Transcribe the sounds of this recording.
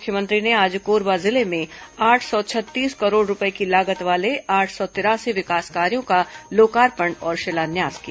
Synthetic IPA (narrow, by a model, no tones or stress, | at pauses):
mʊkʰjəmə̃nt̪ɾineaːd͡ʒkoːɾbazɪlemẽaːʈʰsɔt͡ʃʰɐt̪ːiːskɐɾoːɽɾʊpəekilaːɡət̪ʋaːleaːʈʰsɔt̪ɪɾaːsiʋɪkaːskaːɾijõkaloːkaːɾpəɳɔːɾʃelaːnjaːskija